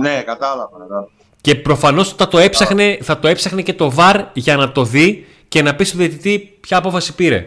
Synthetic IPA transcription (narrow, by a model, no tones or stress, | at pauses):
nekɐt̪ɐlɐvɐɐɐ | ce̞pɾo̞fɐno̞st̪ɐt̪o̞e̞psɐxneθɐt̪o̞epsɐxnece̞t̪o̞vɐɾʝɐnɐt̪o̞ði | ce̞nɐpist̪uðiet̪it̪ipçɐːpo̞fɐsi̥piɾe̞̰